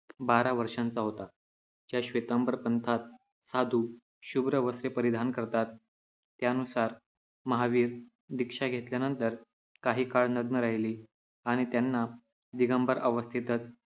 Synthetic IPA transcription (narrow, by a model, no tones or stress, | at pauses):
baɾaʋəɾʂant͡saɦot̪a | d͡ʑjaɕʋet̪əmbəɾəpənt̪ʰat̪̚ | sad̪ʱuː | ɕubɾəʋəsɾepəɾid̪ʱankəɾt̪at̪ː | janusaɾ | məɦaʋiːɾ | d̪ikʂaɡʱet̪ljanənt̪əɾ | kaɦiːkaɭnəɡnəɾaɦiliː | aɽ̃it̪janːa | d̪iɡəmbəɾʔəʋəst̪ʰit̪ət͡s